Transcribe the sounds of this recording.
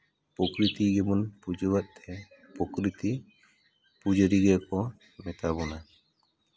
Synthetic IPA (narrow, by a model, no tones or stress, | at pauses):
pɔkɾit̪iɡɛmɔnpud͡ʒəwat̪̚t̪ʰɛ | pɔkɾit̪i | pud͡ʒəɾiɡɛkɔ | mɛt̪abɔna